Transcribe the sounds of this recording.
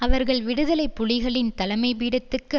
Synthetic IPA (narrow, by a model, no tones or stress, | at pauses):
ɐʋɐɾɣɐɭʋɪɽɯðɐlɐɪpːʊɭɪɣɐɭɪnt̪ɐlɐmɐɪʋiːɽɐt̪ːɯkːɯ